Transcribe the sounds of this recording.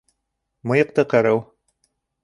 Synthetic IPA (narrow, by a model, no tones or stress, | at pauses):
mɤ̆jɤ̆q̚t̪ɤqɤ̆ɾɤw